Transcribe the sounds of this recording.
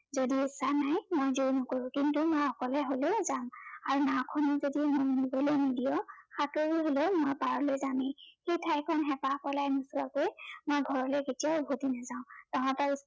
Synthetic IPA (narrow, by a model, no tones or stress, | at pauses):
zodiisanajmojzuɹnɔkoɹʊ̃kintumojɔkɔlɛɦolezamaɹunakʰɔnɔzodimojunibɔlojmidijɔxatoɹiɦolemojpaɹɔlojzamɛxejtʰajkʰɔnɦɛpapɔlajnusuakojmojɡʱɔɹɔleketijaʊbʱutinazaʊ̃tããtaɹi